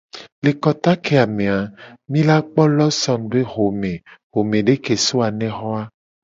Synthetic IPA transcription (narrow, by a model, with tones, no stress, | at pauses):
le˨kɔ˦t̪a˦kʰe˦a˨mẽ˨a˨mĩ˦la˦k͡pɔ˦lɔ˦sɔ̃˨nbe˦ɦo˨mẽ˨ɦo˨mẽ˨ɖe˦ke˨so˦a˨nɛ̃˦xɔ˦a˦